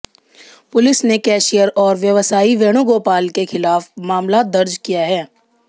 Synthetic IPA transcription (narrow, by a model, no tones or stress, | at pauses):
pʊlɪsnekɛːʃijəɾɔːɾʋjəʋsaːiʋeːɽ̃uɡoːpaːlkexɪlaːfmaːmlad̪ɐɾd͡ʒkijaɦɛː